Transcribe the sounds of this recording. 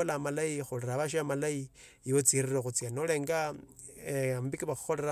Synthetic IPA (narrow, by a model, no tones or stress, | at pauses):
olamalaixuleɾaβaʃamalai | iwot͡siɾiroxut͡sianoleːŋɡa | mbikiβaxu̥xo̞leɾa